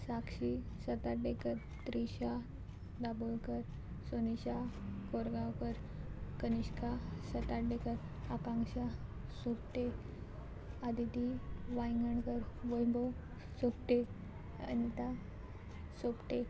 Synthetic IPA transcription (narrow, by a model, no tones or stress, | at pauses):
sakɕi | sət̪aʈɖekəɾ | t̪ɾiɕa | d̪abolkəɾ | soniɕakoɾɡãkəɾ | kəniɕkasət̪aʈɖekəɾ | akãŋɡɕasopʈe | ad̪ʱit̪iʋajŋɡəɳkəɾʋəjbo | sopʈe | ə̰nit̪a | sopʈe